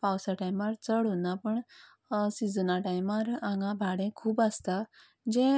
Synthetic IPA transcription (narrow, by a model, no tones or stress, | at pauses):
pawsaʈajmaɾt͡səɽunapəɳ | sid͡zənaʈajmaɾãŋɡãbʱaɽẽkʰuːbast̪a | d͡ʑẽ